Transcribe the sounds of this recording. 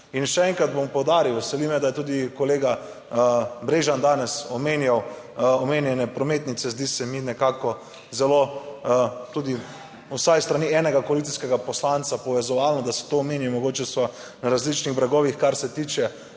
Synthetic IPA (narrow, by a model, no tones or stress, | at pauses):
inʃɛɛŋkɾad̪̚bompɔwd̪aːɾiwʋɛsɛlimɛd̪ajɛt̪uːd̪ikoleːɡa | bɾeːʒand̪aːnɛsɔmenjaw | ɔmeːnjɛnɛpɾɔmeːt̪nit̪sɛzd̪isɛminɛkaːkɔ | zɛlo | t̪uːd̪i | usajst̪ɾaniːɛːnɛɡakoalit̪iskɛɡapɔslant̪sapɔʋɛzɔʋaːlnɔd̪asɛ̥t̪oːmeːnjimɔɡoːt͡ʃɛsɔ | naɾazlit͡ʃniɣbɾaɡɔːʋixkaɾsɛt̪iːt͡ʃɛ